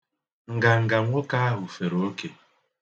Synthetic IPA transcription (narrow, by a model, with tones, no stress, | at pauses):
ŋ̩˨ɡa˨ŋ̩˨ɡa˨ŋʷo˦ka˦a˦ɦʊ˨fe˨ɾo˦ke˨